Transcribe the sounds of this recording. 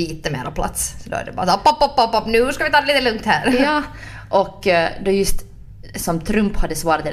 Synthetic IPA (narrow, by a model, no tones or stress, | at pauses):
iːt̪əmḛːɾapʰla̰t̪ssɔd̪o̰æ̰ɖɛ̰bɑ̰ːɾspːɑpːɑpːɑpːɑpnʉːʂkavʋɪt̪ʰɑːd̪liːt̪əlɵŋkt̪hæːɾjɑː | ʔɔkːd̪ojɵst̪ | sɔmt̪ʰɾʉmphad̪ːəsvɑːɾat̪